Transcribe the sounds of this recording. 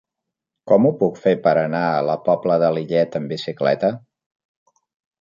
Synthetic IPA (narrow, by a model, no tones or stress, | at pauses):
kɔmupukfepəɾənaələpɔbləðəliʎɛt̪əmbisiklɛ̰t̪ə